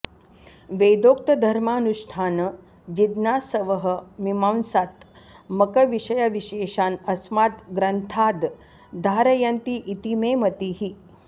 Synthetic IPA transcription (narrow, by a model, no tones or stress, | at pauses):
ʋed̪okt̪əd̪ʱɐɾmaːnuʂʈʰaːnə | d͡ʑid̪naːsəʋəɦəmimawnsat̪ | məkəʋiʂəjaʋiɕeːʃaːnɐsmaːt̪ɡɾənt̪ʰaːd̪ | d̪ʱaːɾəjant̪iːʔit̪imemət̪iɦi